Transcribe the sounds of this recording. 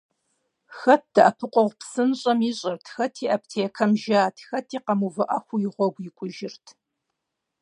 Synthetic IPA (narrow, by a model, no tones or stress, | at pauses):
xɐt̚ʰd̥ɐʔɐpʰɨqʷʼɔʁʷpsɨnɕʼɐmiɕʼɪrtʰxɐtʰiːʔɐptʰeːkʰɐmʒaːtʰxɐtʰiːqɐmuvɨʔɐxʷujɪʁʷɔɡʷjiɪkʷʼʊʒɪrtʰ